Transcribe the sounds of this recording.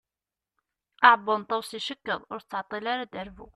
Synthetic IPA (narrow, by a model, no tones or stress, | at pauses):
ʔɑʕbənt̪ˤɑwsiʃəkːəðˤʊɾt͡sːəʕt̪ˤːilaɾad̪əɾvu